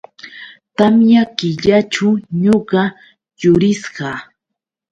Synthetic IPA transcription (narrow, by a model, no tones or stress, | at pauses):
t̪amjakɪʎat͡ʃʊɲoɢɑ | jʊɾɪsɢɑ